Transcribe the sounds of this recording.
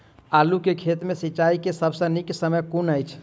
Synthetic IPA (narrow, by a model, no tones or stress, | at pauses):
alukekʰet̪mesiːt͡ʃaikesəbsə̃niksəməjkunəjt͡ʃʰ